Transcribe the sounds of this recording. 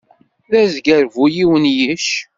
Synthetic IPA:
ðæzɡæɾvujiwənjiʃ

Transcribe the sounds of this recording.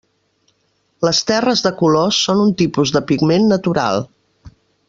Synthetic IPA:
ləst̪ɛrəzðəkulosːonunt̪ipuzðəpiɡmenːət̪uɾa̰lˠ

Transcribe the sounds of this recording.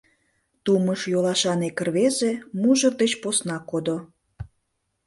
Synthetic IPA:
t̪uməʃjolɑʃɑnekərβezemuʒə̆rd̪et͡ɕposnɑkod̪o

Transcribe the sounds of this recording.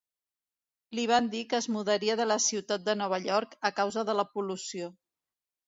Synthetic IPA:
liβ̞and̪ikəːzmuðəɾiəðələsiwt̪at̪̚d̪ənɔβ̞əʎɔɾkəkawzəðələpulusio

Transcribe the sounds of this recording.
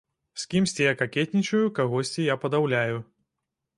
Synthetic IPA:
sʲkʲimsʲt͡sʲijakakʲɛt̪̚ʲnʲit͡ʃɐjukaɣɔsʲt͡sʲijapɐd̪awlʲaju

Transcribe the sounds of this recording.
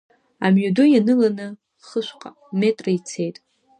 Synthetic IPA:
a̰mɥadujanɨlanɨ | χəʃʷqʼa | me̞tʼrɨit͡sʰe̞jtʼ

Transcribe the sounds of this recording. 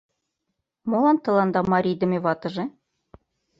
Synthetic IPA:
molˠɑnt̪ɤ̆lˠɑnd̪ɑmɑɾʲid̪ɤ̆mʲeβɑt̪ɤ̆ʒĕ

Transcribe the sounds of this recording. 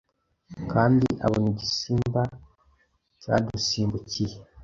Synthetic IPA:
kaːndiʔa̰βoniɟisiːmba | ca̰dusiːmbucije

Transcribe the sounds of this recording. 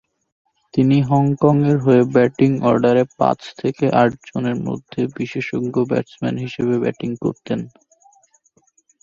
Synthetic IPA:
t̪iniɦɔŋkɔŋeɾɦoebɛʈiŋɔɾɖaɾepã̰t͡ɕt̪ʰekeʔaʈ̚d͡ʑoneɾmo̰d̪ʱːebiʃeʃoɡːobɛ̰ʈsmɛ̰nɦiʃeβebɛ̰ʈiŋko̰ɾt̪en

